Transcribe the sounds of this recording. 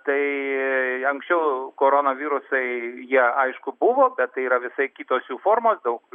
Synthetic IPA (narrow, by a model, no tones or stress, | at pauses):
t̪ɐɪ | ɐŋksʲt͡ʃʲɛʊkoːɾoːnoʋʲiːɾʊsɐɪjiɛɐɪʃkʊbʊʋoːbʲɛt̪t̪ːɐɪiːɾɐʋʲɪsɐɪkʲiːt̪oːsjuːfoːɾmoːsd̪ɐʊk